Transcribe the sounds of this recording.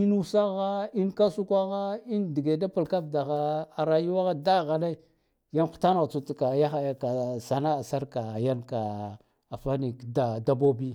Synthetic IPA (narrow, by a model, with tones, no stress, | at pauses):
i˦nu˦sa˦ɣa˦i˦nka˦su˦kʷa˦ɣa˦i˦ndi˨ɡe˨da˦pa˨lka˦fda˨ɣa˨a˨ɾa˨ju˦wa˦ɣa˦da˦ɣa˨na˦i˦ | ja˦nxu̥˨ta˦na˨ɣt͡su˨tka˨ja˦xa˨ja˨ka˨sa˨na˦a˨sa˦ɾka˨ja˦nka˨ | a˨fa˦ni˨kda˨da˦bo˦bi˦